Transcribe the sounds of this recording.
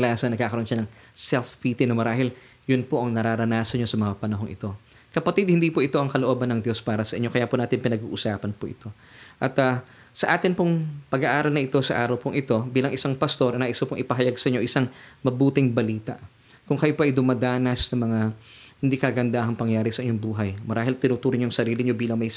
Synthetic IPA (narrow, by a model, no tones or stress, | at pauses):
lasɐnɐɡ̚kaːkɐɾonʃɐnɐŋ | sɛlfpit̪ɪnɐmɐɾaːɦɪl | jʊnpo̞ʔɐŋnɐɾaːɾɐnaːsɐɲɲosɐmɐŋapɐnɐɦo̞ŋʔɪ̰t̪o̞ | kɐpɐt̪id̪̚hɪnd̪iːpoʔɪt̪o̞ʔɐŋkɐloʔo̞ːbɐnɐŋd̪jo̞spaːɾɐsɐʔɪɲːo̞kɐjaponaːt̪ɪnpɪnɐɡṵːʔʊsaːpɐnpoʔɪ̰t̪o̞ | ʔɐt̪ɐ | sɐʔaːt̪ɪnpoŋpɐɡaʔaːɾɐlnɐʔɪt̪o̞sɐʔaːɾɐwpoŋʔɪt̪o̞biːlɐŋʔɪsaŋpɐst̪o̞ɾɐnaʔɪst̪opoŋʔɪpɐɦɐjaɡsɐʔɪɲoʔɪsaŋmɐbuːt̪ɪŋbɐliːt̪ɐ̰ʔ | kʊŋkɐjopoʔɐjd̪ʊmad̪aːnɐsnɐmɐŋahɪnd̪ikɐɡɐnd̪aɐŋpɐŋjaːɾɪsɐʔɪɲːoŋbuːɦɐjmɐɾaːɦɪlt̪ɪnuːt̪uːɾɪɲjʊŋsɐɾiːlɪɲo̞biːlɐŋmɐj